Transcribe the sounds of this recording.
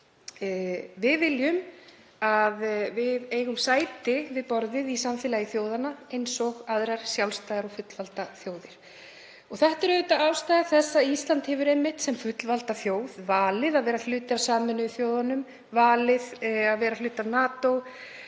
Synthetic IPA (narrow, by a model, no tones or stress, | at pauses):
vɪðvɪljʏm | aðvɪðeːjɣʏmsaːjt̪ɪvɪðpɔɾðɪðisamfɪːlajiθjoːwðanaejnsɔɣaðɾaɾ̥sjawlst̪ajɣaɾɔfʏt̪lvalt̪aθjoːwðɪɾ̥ | ɔɣθɛht̪ɛɾʏt̪aawst̪aːjɣaθɛsːaist̪lant̪hɛvʏɾejmːɪht̪sɛmfʏt̪lvalt̪aθjoːwðvaːlɪðaðvɛːɾal̥ʏːt̪ɪawsaːmʏnʏθjoːwðanʏm | vaːlɪðaðvɛːɾalʏːt̪anaːt̪ow